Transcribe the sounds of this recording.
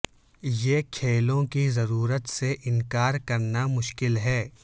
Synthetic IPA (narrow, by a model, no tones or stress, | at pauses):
jekʰeːlõkizɐɾuːɾət̪seʔɪnkaːɾkɐɾnamʊʃkɪlɦɛː